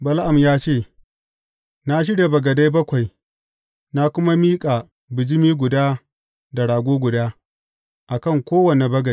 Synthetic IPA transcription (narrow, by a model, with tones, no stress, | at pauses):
bɐ˦lʔa˨mjaː˦t͡ʃeː˦˨ | na˦ʃ̬ɪ˦ɽje˨bɐ˨ɡɐ˨da˦jbɐ˦kʷa˨j | na˦kʷʊ˦ma˦miː˦kʼa˨ | bɪ˨d͡ʒɪ˦miː˦ɡʷʊ˨daː˦ | da˨ɽaː˨ɡʷoː˦ɡʷʊ˨daː˦ | ʔa˨kɐ˦˨ŋkʷoː˦wɐ˨ne˨bɐ˦ɡɐ˨